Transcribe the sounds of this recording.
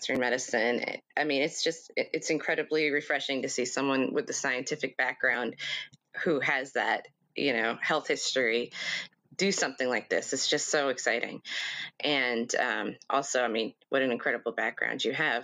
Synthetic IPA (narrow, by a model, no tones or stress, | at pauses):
sɹɨ̃nmɛɾɨsɨ̃nɨ̰ʔaɪmĩnɨtsd̥ʒ̥ʌstɪʔɨtsɨ̃nkʰɹ̥ɛɾɨbliɹɨfɹɛʃɪ̃ŋtɨsisʌ̃mwʌ̃nwɨ̰ðɨsaɪɨ̃ntʰɪfɨk̚b̥æk̚ɡ̥ɹãʊ̃nd̥huɨzðɨ̰t̚ | jʔɨ̰noʊhɛlˠθhɪstɹ̥i | d̥ɨsʌ̃mθɪ̃ŋlaɪk̚ðɪ̰sɨtsd̥ʒ̥ʌstsoʊɨksaɪɾʔɪ̰̃ŋʔɨ̃nʌ̰̃mʔɔ̰lˠsoʊaɪmĩnwʔʌɾɨ̃nɨ̃nkʰɹ̥ɛɾəbl̩ˠbæk̚ɡ̥ɹã̰ʊ̃nd͡ʒɨɨv̥